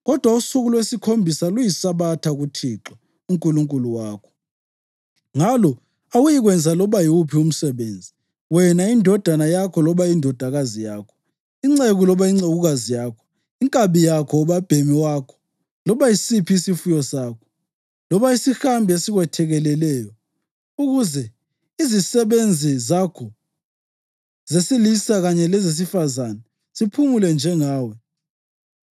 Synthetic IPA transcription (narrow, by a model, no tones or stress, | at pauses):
ɣɔd̥ʱwausuɣulwesikʰombʱisalujisaβatʰaɣutʰiːǁɔ | uŋkʼuluŋkʼuluwaːkʰɔ̥ | ŋalɔ | awujiɣwɛnd͡zʱalɔβajiwupʰium̩sɛβeːnd͡zʱi | wɛnaindʱɔd̥ʱanajakʰɔlɔβaindʱɔd̥ʱaɣazijaːkʰɔ̥ | iŋ͡ǀeɣulɔβaiŋ͡ǀeɣuɣazijaːkʰɔ̥ | iŋkʼaβijakʰɔuβab̥ʱemiwakʰɔ̥ | lɔβaisipʰiːsifujɔsaːkʰɔ̥ | lɔβaisixambʱesiɣwɛtʰɛɣɛlɛlɛːjɔ | uɣuzɛ | izisɛβend͡zʱizakʰɔ | zesilisaɣaɲɛlɛzes̬ifazanɛ | zipʰumulɛnd͡ʒʱɛŋaːwɛ